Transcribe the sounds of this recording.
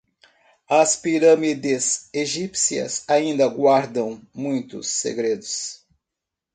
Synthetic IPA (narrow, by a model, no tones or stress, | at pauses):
ɐspiɾɐmid̪eseʒipsiɐ̰saĩnd̪ɐɡwaɾd̪ɐ̃w̃mũj̃t̪ʊ̰sːḛɡɾed̪ʊs